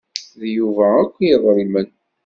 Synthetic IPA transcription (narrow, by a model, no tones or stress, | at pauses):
ðjuvæækʷːjəðˤɾimən